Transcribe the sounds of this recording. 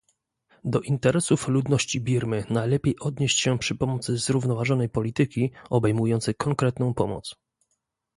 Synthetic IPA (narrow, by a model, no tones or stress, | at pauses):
d̪ɔʔint̪ɛɾɛsuflud̪nɔɕt͡ɕibʲiɾmɘnajlɛpʲjejʔɔd̪ɲeɕt͡ɕɕɛpʂɘpɔmɔt̪sɘzɾuvnɔvaʐɔnɛjpɔlʲit̪ɘkʲiɔbɛjmujɔnt̪sɛjkɔŋkɾɛt̪nɔ̃w̃pɔmɔ̰t̪s